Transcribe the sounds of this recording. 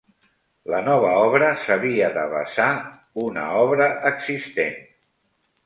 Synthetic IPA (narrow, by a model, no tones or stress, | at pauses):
lənɔβ̞əɔβɾəsəβiəðəβə̰sa | unə̰ɔβɾəʔəɡzist̪en